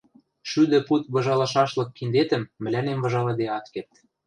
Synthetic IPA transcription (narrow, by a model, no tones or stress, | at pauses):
ʃyd̪ɘ̆put̪βɤ̆ʒɑlɑʃɑʃlɤ̆kːind̪et̪ə̆mːɘ̆lænemvɤ̆ʒɑlɤ̆d̪eɑt̪kert̪